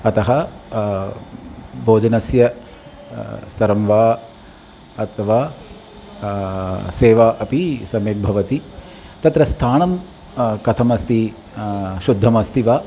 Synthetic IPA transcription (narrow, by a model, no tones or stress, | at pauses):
ɐt̪ɐɦɐ | bʱoːd͡ʒɐnɐsjɐ | st̪ɐɾɐmʋaː | ɐt̪ʰɐʋaː | seːʋaːʔɐpisɐmeːk̚bʱɐʋɐt̪i | t̪ɐt̪ɾɐst̪ʰaːɳɐm | kɐt̪ʰɐmɐst̪i | ʃud̪ʱːɐmɐst̪iʋaː